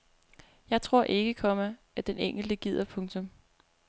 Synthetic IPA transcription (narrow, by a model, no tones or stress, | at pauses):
jɑ̈ɪt͡sʰʁo̝ɐ̰ʔe̝ɡ̥əkʰɒ̽mæ | æd̥eneŋ̰ɡ̥l̩d̥əɡ̥ið̞̰ˠɐpʰɔ̽ŋt͡sʰɔ̽m